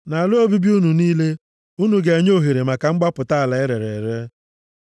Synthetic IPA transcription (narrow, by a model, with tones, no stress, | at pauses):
na˨lʊ˦o˦bi˦bi˦u˦nu˨niː˦le˦ | u˦nu˨ɡe˨e˨ɲo˦ɦe˨ɾe˨ma˨ka˨ŋ͡m̩˦ɡ͡ba˦pʊ˨ta˦a˨la˨ɪ˦ɾe˨ɾḛ˨ɾe˦